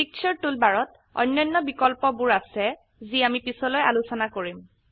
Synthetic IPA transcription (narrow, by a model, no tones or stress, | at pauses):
pik̚t͡ʃʰɔɹtulbaɹɔt | ɔ̰jnːɔnːɔbikɔlpɔbuɹasɛ | ziamipisɔlojalusɔnakoɹim